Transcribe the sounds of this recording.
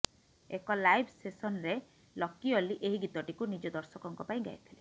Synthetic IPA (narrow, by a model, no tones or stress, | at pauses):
ekɔlajbʱsesɔnɾe | lɔkːioliʔeɦiɡit̪ɔʈikunid͡ʒɔd̪ɔɾsɔkɔŋkɔpaĩɡa̰jt̪ʰile